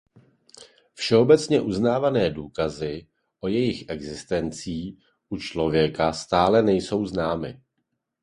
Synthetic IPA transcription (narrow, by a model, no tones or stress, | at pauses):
fʃɛo̞bɛt͡sɲɛʔuznaːvanɛːduːkazɪ | ʔo̞jɛjɪxʔɛɡzɪst̪ɛnt͡siː | ʔut͡ʃlo̞vjɛkast̪aːlɛnɛjso̞wznaːmɪ